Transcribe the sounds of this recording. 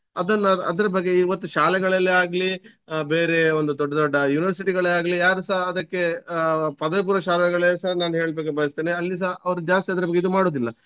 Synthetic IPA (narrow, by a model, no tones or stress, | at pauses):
ɐd̪ɐnːɐɐ̰d̪ɐɾɐbɐɡːe̞iːʋɐt̪ːuʃaːlɛɡɐɭɐlːeaːɡli | beːɾe̞ond̪ud̪ɔɖːɐd̪ɔɖːɐjuːniʋɐɾs̬iʈiɡɐɭeaːɡɐlijaːɾusaɦɐd̪ɐkːe̞pɐd̪ɐjɐp̬uːɾɐʃaːlɛɡɐɭeːsaɦnaːnuɦe̞ːɭbeɡːebɐjɐst̪eːneɐlːis̬aɦɐʋɐɾud͡ʒaːst̪iɐd̪ɐɾɐbɐɡːeid̪umaːɽo̞ːd̪ilːɐ